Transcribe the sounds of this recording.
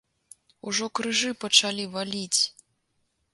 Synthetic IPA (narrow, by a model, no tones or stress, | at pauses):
uʐɔkɾɨʐɨpɐt͡ʂalʲivalʲit͡sʲ